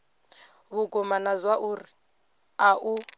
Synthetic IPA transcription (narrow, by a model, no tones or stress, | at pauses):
βukʼɔmanazwaʔuri | aʔu